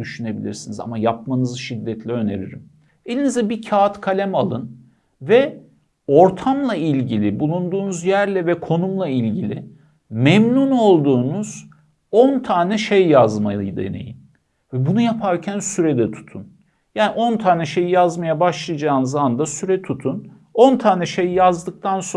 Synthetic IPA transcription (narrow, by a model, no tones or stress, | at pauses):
d̪yʃyne̞bilʲḭɾsiniza̰majap̚manɯzɯʃid̪ːɛt̪ʰlʲɛø̞ne̞̰ɾḭɾḭm | e̞lʲinizd̪ɛbicʰaːt̪kʰalʲæmalˠɯn | vɛ | o̞ɾt̪ʰamlˠailʲɟilʲibulˠund̪uːnuzjæɾlʲɛvɛkʰo̞numlˠailʲɟilʲɪ | mɛmnuno̞lˠd̪uːnuz̥ | ont̪ʰaːnɛʃejjazma̰jɯ̰jd̪e̞̰nḛjḭm | vɛbunujapʰaɾcʰænsyɾɛd̪ɛt̪ʰu̥t̪ʰun | jaːniʔo̞nt̪ʰaːnɛʃe̞jijazmajabaʃlˠajd͡ʒaːnɯzaand̪asyɾɛt̪ʰut̪ʰun | o̞nt̪ʰaːnɛʃe̞jijazd̪ɯk̚t̪ʰanso